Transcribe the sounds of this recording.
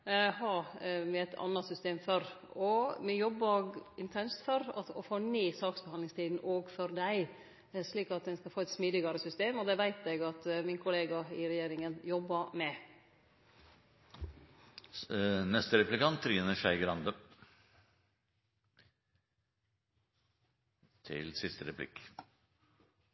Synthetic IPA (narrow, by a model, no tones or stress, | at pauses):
hɑmɛɛt̪ʰɑ̰nːɑsʏst̪eːmfœɾɔmɛjɔbːɑɪnt̪ʰɛnst̪fɔɾɑ̰ɔfoːniːsɑːksbəhɑnlɪŋst̪ʰiːd̪n̩ɔɡfɔɾd̪æɪ | sliːkɑt̪̚d̪ɛnskɑfoːɛt̪smiːd̪ɪɡɑɾəsʏst̪eːmɔd̪ɛʋæɪt̪ɛɡɑt̪mɪnkʰʊleːɡɑɪɾɛjeːɾɪŋənjɔbːɑmɛ | nɛst̪əɾɛplɪkɑnt̪ʰːɾiːnəʃæɪɡəɾɑnd̪ə | t̪ʰɪ̰lsɪst̪əɾɛpʰlɪ̰k